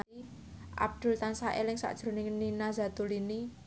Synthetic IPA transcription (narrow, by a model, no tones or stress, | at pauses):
i | ʔa̰b̚d̪̥ʊ̤lt̪ansaʔḛlɪŋsa̰ʔd̥ʒ̥ɾo̤nɪŋninazat̪ulini